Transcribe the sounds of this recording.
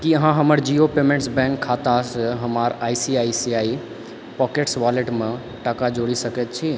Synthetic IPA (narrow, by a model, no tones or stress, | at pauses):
kiəɦãɦəməɾd͡ʒiopemẽɳʈsbɛ̃ŋkʰːat̪aseɦəmaɾajsiajsiai | pɔkeʈsʋaleʈme | ʈəkad͡ʒoɽisəkɛt̪̚t͡ʃʰi